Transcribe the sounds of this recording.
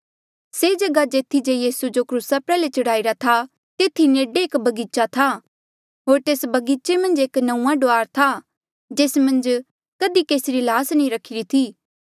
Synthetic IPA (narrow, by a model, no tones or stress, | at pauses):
seːd͡ʒɐɡad͡ʒeːt̪ʰid͡ʒeːjiːsud͡ʒokɾuːsapɛːlet͡ʃɐɽaːiɾat̪ʰa | t̪eːt̪ʰineːɖeeːkbɐɡiːt͡ʃat̪ʰa | ɦoːɾt̪eːsbɐɡiːt͡ʃemɐ̃nd͡ʒeːknɐ̃ũːãɖoaːɾt̪ʰa | d͡ʒeːsmɐ̃nd͡ʒ | kɐd̪ikeːsɪɾilaːsnĩɾɐkʰːɪɾit̪ʰiː